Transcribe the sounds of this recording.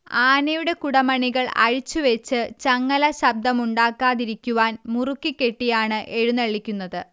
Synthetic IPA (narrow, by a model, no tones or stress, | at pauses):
aːnɐjuɽe̞kuɽɐmɐɳiɣɐɭɐ̰ɻit͡ɕːuʋet͡ɕːɨt͡ɕɐŋːɐlɐɕɐb̚d̪ɐmuɳɖaːkːaːðiɾikʲːuʋaːnmurukːikʲːe̞ʈːijaːɳɨʔeɻunɐɭːikʲːunːɐðɨ